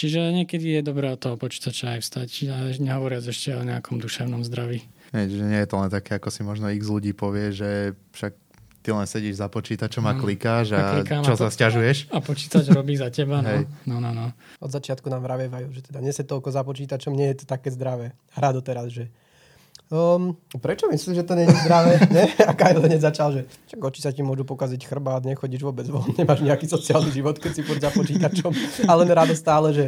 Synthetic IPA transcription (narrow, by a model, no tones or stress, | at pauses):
t͡ʃiʒɛɲɪɛkɛd̪ijɛd̪ɔbɾɛːɔt̪ɔɦɔpɔt͡ʃi̥ːt̪at͡ʃaajfst̪acaɛɲɛɦɔʋɔɾɪazɛʃcɛɔɲɛakʰɔmd̪uʃɛʊnɔmzd̪ɾaʋiːɦɛjt͡ʃiʒɛɲɪɛjɛt̪ɔlɛnt̪akɛːakɔsimɔʒnɔiɣzluɟiːpɔʋɪɛʒɛfʃak̚ | t̪ilɛnsɛɟiʒzapɔt͡ʃiːt̪at͡ʃɔmaklikaːʒalikamt͡ʃɔsascaʒujɛʃapɔt͡ʃiːt̪ad͡ʒɾɔbiːzacɛbanɦɛjnɔnɔnɔ | ʔɔd̪zat͡ʃɪat̪kunaːmʋɾaʋɛʋajuːʒɛt̪ɛd̪aɲɛsɛt̪ɔlkɔzapɔt͡ʃiːt̪at͡ʃɔmɲɛjɛt̪ɔ̥t̪akɛːzd̪ɾaʋɛː | aɾad̪ɔt̪ɛɾazʒɛ | mpɾɛt͡ʃɔmisimsisiʒɛt̪ɔɲɛɲɛzd̪ɾaʋɛːɲɛakajlɛɲɛzat͡ʃalʒɛ | t͡ʃaɡɔt͡ʃisacimʊɔʒupɔkazicxr̩bad̪ɲɛxɔɟiːʒʋɔbɛd͡zʋɔ̰nɲɛmaːʒɲɛakisɔt͡sialniʒiʋɔt̪kɛcsifuzapɔt͡ʃiːt̪at͡ʃɔmalɛnɾad̪ɔst̪aːlɛʒɛ